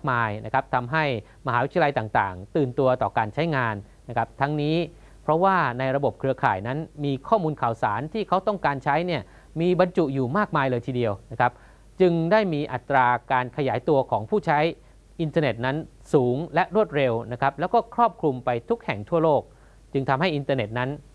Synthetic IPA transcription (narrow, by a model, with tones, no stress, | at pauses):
a˥˩k̚maː˧jna˦˥kʰa˦˥p̚t̪ʰa˧mɦa˥˩j | ma˧ɦaː˨˦wt̪ʰa˧la˧jt̪aː˨˩ŋt̪a̰ː˨˩ŋt̪ɯː˨˩nt̪u˧ɐt̪ɔː˨˩kaː˧nt͡ɕʰa˦˥jŋaː˧nːa˦˥kʰa˦˥p̚t̪ʰa˦˥ŋniː˦˥ | pʰɾɔ˦˥waː˥˩na˧jɾa˧bo˨˩p̚kʰɾɯ˧ɐkʰaː˨˩jna˦˥nmiː˧kʰɔː˥˩muː˧nkʰaː˨˩wsaː˩˦nt̪ʰiː˥˩kʰa˦˥wt̪ɔ˥˩ŋkaː˧nt͡ɕʰa˦˥jni˥˩ɐ | miː˧ba˧nt͡ɕu˨˩juː˨˩maː˥˩k̚maː˧jlɤː˧jt̪ʰiː˧˩di˧əwna˦˥kʰa˦˥p̚ | t͡ɕɯ˧ŋdaː˥˩jmiː˧ʔa˨˩t̪ːɾaː˧kaː˧nkʰa˧jaː˩˦jt̪u˧ɐkʰɔː˩˦ŋpʰuː˥˩t͡ɕʰa˦˥j | ʔi˧nt̪ʰaː˧ne˨˩t̪̚na˦˥n | suː˩˦ŋlɛ˦˥ʔɾu˥˩ət̪̚ɾe˧wna˦˥kʰa˦˥p̚lɛː˦˥wkɔː˥˩kʰɾɔː˥˩p̚kʰɾu˧mpa˧jt̪ʰu˦˥k̚hɛ˨˩ŋt̪ʰu˥˩ɐloː˥˩k̚ | t͡ɕɯ˧ŋt̪ʰa˧mɦa˥˩jʔi˧nt̪aː˧ne˨˩t̪̚na˦˥n